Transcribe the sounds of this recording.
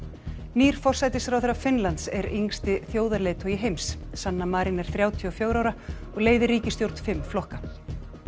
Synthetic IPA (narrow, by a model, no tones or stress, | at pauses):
niːɾ̥fɔr̥sajt̪ɪsfɾawθɛɾːafɪnlant̪sɛɾiŋst̪ɪθjoːwðalejt̪ʰɔjɪɦejmsːanːamaːɾinɛɾ̥θɾjaːwt̪ʰiɔfjoːwɾawɾaɔɣleːjðɪrːiːcɪst̪jowɾ̥t̪fɪmːflɔhka